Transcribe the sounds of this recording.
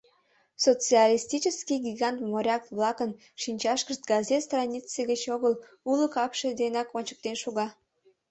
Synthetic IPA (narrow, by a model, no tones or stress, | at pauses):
sot͡sɨɑlʲist̪ʲit͡ɕəskiɡʲiɣɑnt̪moɾʲɑkβlɑkən | ʃinʲt͡ɕɑʃkəʃt̪̚ɡɑzet̪st̪rɑnʲit͡seɣət͡ɕoɣəl | uləkɑpʃed̪enɑkonʲt͡ɕə̥k̚t̪enʃuɣɑ